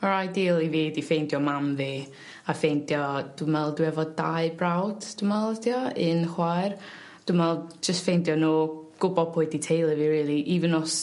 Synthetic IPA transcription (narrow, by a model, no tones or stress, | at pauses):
aɾajdiːlˠiviːdifejndjɔmamvi | afejndjɔd̥ʊmɛlˠdwɛvɔdaɨbrawd̥d̥ʊmɛlˠtʰiɔɨnχwajr | d̥ʊmɛlˠd͡ʒəstfejndjɔnuːɡ̥ʊbɔpʰʊɨditʰejlˠəviɾiːlˠiʔivənɔs